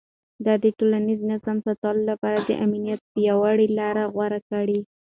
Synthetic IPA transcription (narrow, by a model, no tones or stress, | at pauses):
d̪ɑd̪əʈolaniznazamsat̪ɑlolapɑɾad̪ə̰ʔaminijat̪̚pəjawaɽilɑɾaɣwaɾakaɽi